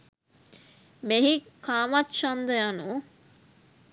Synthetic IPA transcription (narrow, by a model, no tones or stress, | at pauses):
meɦikaːmɐtʃɐnd̪əjɐnu